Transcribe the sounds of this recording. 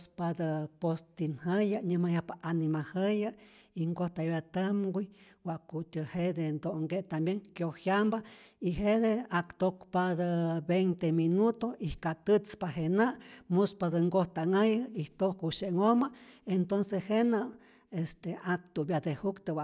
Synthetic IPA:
spad̪əpost̪inhəjaɲəmajahpaʔanimahəjaiŋɡoht̪ajbet̪amɡʷi | wʷaʔkut̪ʲəhed̪end̪oŋɡeʔt̪ambjeŋkjohjambaiɦed̪eakt̪okpad̪əbejnt̪eminut̪oihkat̪ɨt͡spaɦenamuspad̪əŋɡoht̪aŋajait̪ohkuʃeŋomaent̪onsehena | est̪eak̚t̪ubjad̪ehukt̪ɨwa

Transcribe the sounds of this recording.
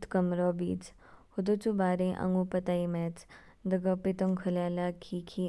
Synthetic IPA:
t̪kəmɾoːbḭːt͡s | hʊd̪ot͡ʃubaːɾẽʔɐ̰̃ŋɡũːpət̪aːimɛːt͡s | d̪ɐɡapɪt̪oŋkʰəljaːlakʰiːkʰi

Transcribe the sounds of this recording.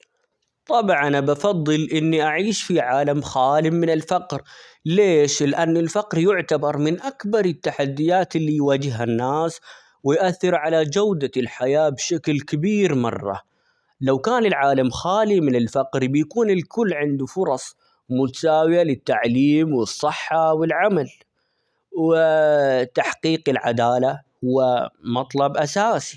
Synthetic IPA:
t̪ˤɑbʕanabɑfɑðˤːɨlʔɪnːiʔaʕiːʃfiʕaːlamxaːlɪmɪnɪlfɑqɾ | leːʃlʔanːɪlfaqɾjʊʕt̪abɑɾˤmɪnʔakbɑɾˤɪt̪ːaħad̪ːɪjaːt̪ɪlːijwaːd͡ʒɪɦanːaːs | wɪjʔaθːɪɾʕalad͡ʒawd̪alħajaːbʃaklkabiːɾmɑ̰rˤːɑ̰ | lawkaːnɪlʕaːlamxaːlimɪnɪlfaqɾbjakuːnɪlkʊlːʕɪnd̪ufʊɾˤɑsˤ | mʊt̪ḁsaːwjalɪt̪ːaʕliːmwɨsˤːɨħːɑwɪlʕamal | wɪt̪aħqiːqɪlʕad̪aːlahʊwːamɑt̪ˤlɑbʔasaːsi

